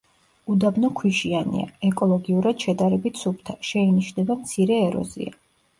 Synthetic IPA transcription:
ud̪abnɔkʰwiʃianḭa̰ɛkʼɔlˠɔɡiuɾad̪̥ʃɛd̪aɾɛbit̪ʰsup̚ʰt̪ʰaʃɛiniʃnɛbamt̪sʰiɾɛːɾɔ̰zḭa̰

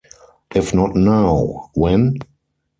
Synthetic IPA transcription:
ʔɪfnɔtnaʊwɛ̃n

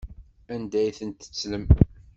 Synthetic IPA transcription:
ænd̪æjθənt̪ə̥t͡sːləm

